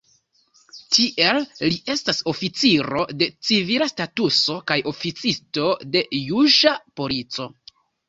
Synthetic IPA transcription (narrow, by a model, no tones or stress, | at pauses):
tiʔe̞lːiʔe̞staso̞fit͡siɾo̞de̞t͡sivilastatuso̞kajo̞fit͡sisto̞de̞juʒapo̞lit͡so̞